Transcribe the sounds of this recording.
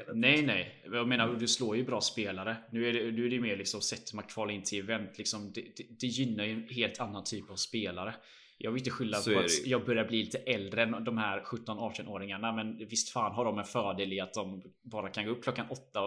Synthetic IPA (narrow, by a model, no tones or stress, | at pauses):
nɛjnɛjjɑmeːnaɾɔd̪ɛsloːɾjɵbɾɑːspeːlaɾənʉ̟ːæɖɛnʉːæɖɛjɵmeːɾɭɪksɔmɔsɛt̪ːmakʰvɑːlɪnːt̪ʰɪlɛvɛnt̪ʰlɪksɔmd̪ɛd̪ɛd̪ɛjʏnːaɾjɵɛnheːlt̪ʰanːant̪ʰyːpavspeːlaɾə | jʔɑːɡvɾɪnəɧɪlːafœɾat̪jɑːɡbœɾjaɾbliːliːt̪əʔɛld̪ɾənd̪ɔmhæɾɧɵt̪ːɔnɑːʈɛnoːɾɪŋaɳamɛnvɪst̪faːnɦaɖɔmɛnfœːɖeːlɪat̪̚d̪ɔm | bɑːɾakʰanɡoːɵpkʰlɔkːanɔt̪ːa